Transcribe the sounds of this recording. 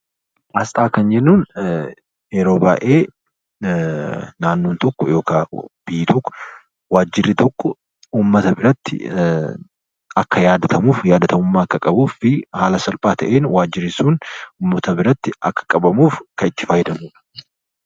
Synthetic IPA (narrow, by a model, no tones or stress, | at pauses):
ʔɐst̪ʼaːkɐnd͡ʒɛnːuːn | eɾoːbaːʔeː | naːnːoːnt̪ɔkːɔjo̞ːkaːb̥ɪjːɪt̪ɔkːɔ̥ | waːd͡ʒːɪrːɪt̪ɔkːɔ | uːmːɐt̪ɐbɪɾɐt̪ːɪ̰ | ɐkːɐjaːd̪ɐt̪ʰɐmuːfjaːd̪ɐt̪ʰɐmʊmːaːɐkːɐkʼɐbuːfɪhaːlɐsɐlpʼaːt̪ɐ̰ʔeːnwaːd͡ʒːɪrɪsuːnuːmːɐt̪ɐbɪɾɐt̪ːɪɐ̰kːɐ̥kʼɐbɐmuːfkɐɪt̪ːɪ̥faːjɪd̪ɐmuːᶑɐ̥